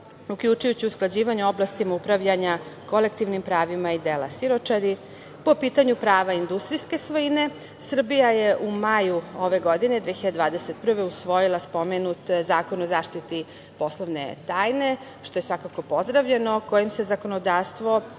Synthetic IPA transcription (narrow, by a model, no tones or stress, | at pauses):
ukʎut͡ʃujut͡ɕiusklˠad͡ʑiːʋaɲuo̞blˠast̪imaupɾaʋʎaɲako̞le̞kt̪iʋnimpɾaːʋimaid̪eːla̰siɾo̞t͡ʃad̪i | po̞piːt̪aɲupɾaːʋaind̪ust̪ɾiske̞sʋojine̞ | sr̩bijajeʔumajuo̞ʋe̞ɡo̞d̪ine̞d̪ʋeçiʎad̪ed̪vaːd̪eset̪pr̩ʋe̞usʋo̞jilˠaspo̞menut̪zaːkonozaːʃt̪it̪i | po̞slˠoʋnḛt̪aːjne̞ | ʃt̪o̞je̞sʋakako̞po̞zd̪ɾaʋʎeno̞ko̞jimse̞zako̞nod̪aːʋst̪ʋo̞